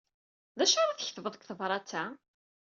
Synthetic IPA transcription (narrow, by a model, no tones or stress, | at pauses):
ðæʃaɾˤaθçθvəðˤəkθəvɾˤɑt͡sːæ